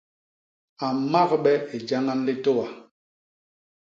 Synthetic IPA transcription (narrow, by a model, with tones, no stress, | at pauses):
a˨ma˦kɓɛ˦e˨d͡ʒa˦ŋa˦n˦le˦to˦wa˨